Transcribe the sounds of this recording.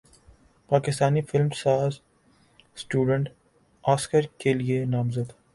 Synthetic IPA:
paːkɪst̪aːnifɪlmsaːz | sʈuːɖə̃ɳʈ | aːskəɾkelienaːmzəd̪

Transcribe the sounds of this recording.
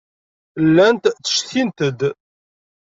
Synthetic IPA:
lːænt̪θə̥ʃθint̪əd̪

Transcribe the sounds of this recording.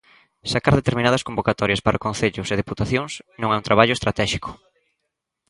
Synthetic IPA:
sakaɾðet̪eɾminaðɐskombokat̪ɔɾjɐspaɾʔɐkõnθeʎʊseðeput̪aθjoŋsnõŋaunt̪ɾaβaʎʊest̪ɾat̪ɛʃi̥kʊ̥

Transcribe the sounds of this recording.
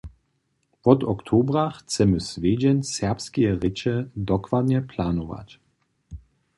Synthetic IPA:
pɔt̪ɔkt̪ʰoːbʁaxt͡sɛmɘsveːd͡ʑɛnsɛɐpskijɛʁɪt͡ʃɛd̪ɔkvad̪ɲɛpʰlanova̰t͡ɕ

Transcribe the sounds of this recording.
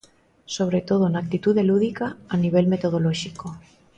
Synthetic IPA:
so̞β̞ɾe̞t̪o̞ð̞onak̚t̪it̪uðeluðikaːniβ̞e̞lme̞t̪oð̞o̞loʃiko

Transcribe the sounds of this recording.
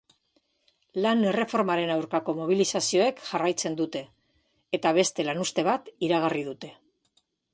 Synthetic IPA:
lane̞re̞fo̞ɾmaɾe̞nawɾkako̞mo̞β̞ilisasio̞e̞kʝarajt͡se̞nd̪ut̪e̞ː | t̪aβ̞e̞st̪e̞lanust̪e̞β̞at̪iɾaɣ̞arið̞ut̪e̞

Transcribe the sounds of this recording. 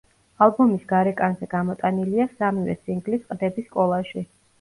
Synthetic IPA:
alˠbumisɡaɾɛkʼanzɛɡamɔt̪ʼaniliasamivɛ̰siŋɡlisqʼd̪ɛbiskʼɔlˠaʃi

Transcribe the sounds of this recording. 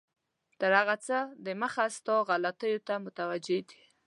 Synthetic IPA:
t̪əɾhaɣat͡səd̪əməxast̪ɔɣalat̪əjot̪amʊt̪awad͡ʒed̪i̥

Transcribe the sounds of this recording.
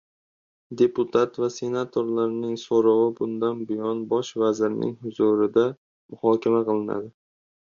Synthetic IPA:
d̪e̞pʊt̪ʰat̪vase̞nat̪ʰoɾlaɾnɪŋsoɾɑwɪbʊnd̪anbɪjɒnbɒʃvazɪɾɪnʔɪ̰ŋhʊzuɾɪd̪a | mʊhɒkʲʰamaqʰɨlˠɪna̰d̪ɪ

